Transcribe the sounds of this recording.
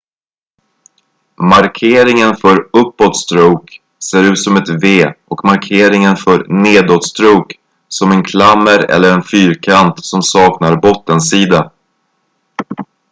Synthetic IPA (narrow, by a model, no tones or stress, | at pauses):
maɾkʰeːɾɪŋənfœɾɵpːɔt̪st̪ɾuːk | seːɾʉ̟ːt̪sɔmɛt̪veːʔɔkmaɾkʰeːɾɪŋənfœɾneːd̪ot̪st̪ɾuːk | sɔmɛnkʰlamːəɾɛ̰lːəɾɛnfyːɾkʰant̪sɔmsɑːknaɾbɔt̪ːənsiːd̪a